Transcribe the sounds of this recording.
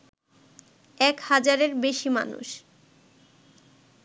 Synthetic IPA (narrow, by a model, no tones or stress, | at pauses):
ɛkhad͡ʑaɾeɾbeʃima̰nṵʃ